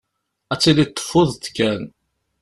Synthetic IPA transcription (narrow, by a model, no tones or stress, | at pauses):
æt͡sːilit̪ˤːə̥fːʊðˤt̪kːæn